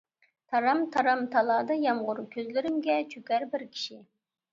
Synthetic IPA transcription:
t̪ʰɑɾɑmt̪ʰɑɾɑmt̪ʰɑlˠɑːd̪ɑjɑmʁʊɾkʲʰøzlɪɾɪmɡʲɛt͡ʃʰøkʲæɾbɪɾkʲʰi̥ʃɪ

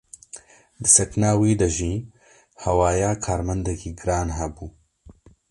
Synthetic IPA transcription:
d̪ɨsɛknaːwiːd̪ɐʒiː | hɛwaːjaːkʰaːɾmɐnd̪ɛkʰiːɡɨɾaːnɦɛbuː

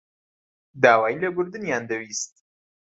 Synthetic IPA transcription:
d̪aːwaːjilɐɡʊɾd̪ɨnjaːnd̪ɐwist̪̚

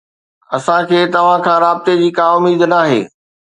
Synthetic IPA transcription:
ɐsãkʰeːt̪ɐʋ̤ãkʰãːɾaːbɪt̪ed͡ʑiːkaːʊmiːd̪naːɦḛː

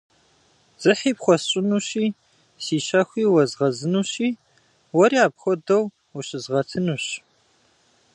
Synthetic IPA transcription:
z̥ɨħiːpχʷɔsɕʼɪnuːɕiː | siːɕɐxʷiːwɐzʁɐzɨnuːɕiː | wɐɾiaːpxʷɔdɐw | wuɕɪzʁɐtʰɨnuːɕ

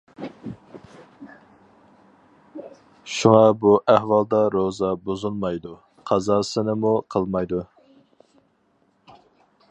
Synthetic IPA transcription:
ʃuŋɑbuʔæhwɑlˠd̪ɑɾozɑbozulˠmɑjd̪u | qʰɑzɑsɨnɪmuqʰəlˠmɑjd̪u

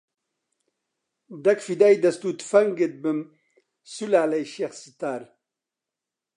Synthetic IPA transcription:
d̪ɐkfid̪aːjd̪ɐst̪uːt̪fɐŋɡet̪̚bəm | sulaːlɐjɕeːxsit̪aːɾ

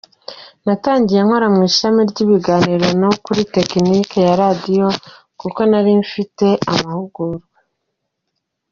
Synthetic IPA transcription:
nataːɲɟije̞ŋ̥hoɾamŋiːʃamiɾɟiβiɡaːniɾo̞nokuɾite̞knikejaɾadijo̞ | kuko̞naɾiɱfite̞ʔamahuɡuɾɡwe

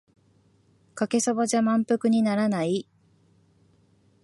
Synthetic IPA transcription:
kake̞so̞baʑamãmpɯ̟kɯ̟ɲ̟inaɾanai

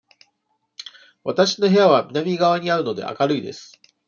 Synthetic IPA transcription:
βat̪aɕi̥no̞ɦe̞jaβamʲinamʲiɡaβ̞aɲ̟iaɾɯ̟no̞d̪e̞̰ʔa̰kaɾɯ̟id̪e̞̰sɨ̥

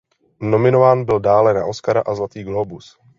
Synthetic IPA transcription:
no̞mɪnovaːnbɪldaːlɛnaʔo̞skaɾaʔazlat̪iːɡlobus

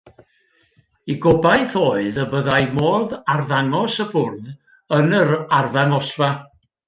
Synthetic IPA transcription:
iɡɔbajθoːɨðəbəðajmoːðarðaŋɔsəbʊrð | ənəɾarvaŋɔsva

